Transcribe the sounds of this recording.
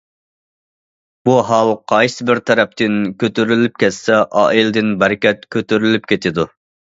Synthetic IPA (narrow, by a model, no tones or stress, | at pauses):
b̥uɦɑlˠqʰɑjsɨbɪɾt̪ʰɛɾɛp̚t̪ɪnkʲøt̪yɾylyp̚kʲɛt̪sɛʔɑ̰ːilɪd̪ɪnbɛɾɪkʲɛt̪̚kʲʰøt̪yɾylypkʲʰet̪ʰɪd̪u